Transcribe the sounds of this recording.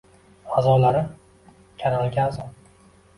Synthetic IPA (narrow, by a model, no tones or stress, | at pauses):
azɒlaɾɪm | kʲʰaɾalɡʲaːzɒ